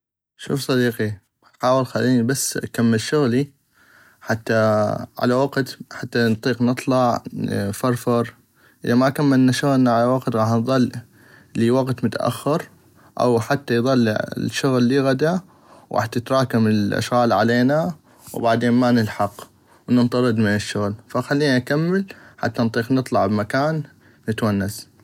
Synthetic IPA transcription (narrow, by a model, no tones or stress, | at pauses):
ʃṵːfsˤɑd̪iːqi | ħaːwɪlxalːiːnibasːʔakamːɪlʃʊɣli | ħat̪ːaʕa̰lawaɡt̪ħat̪ːant̪ˤiːqnɨt̪ˤlɑʕfɑɾˤfɑɾˤ | ʔə̰ðamakamːɪlnaʃʊɣlnaʕalawaɡt̪ɣɑːħnðˤɑlː | liwaɡt̪mʊt̪aʔa̰xːɪɾ | ʔa̰wħat̪ːajðˤɑl̰ːʃːʊɣlːiɣad̪a | wɣa̰ħt̪jɪt̪ɾˤɑːkamɪlʔa̰ʃɣaːlʕaleːna | wbaʕd̪eːnmanɪlħɑq | wnɪnt̪ˤɑɾˤɨd̪mɪnɪʃːʊɣlfaxalːiːnaʔkamːɪlħa̰t̪ːant̪ˤiːqnɨt̪ˤlɑʕbmakaːnː | ɪt̪wanːas